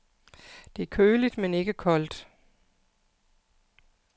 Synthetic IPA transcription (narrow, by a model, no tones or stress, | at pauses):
d̥e̝æɐkʰøːlid̥mene̝ɡ̥əkʰɒ̽l̰d̥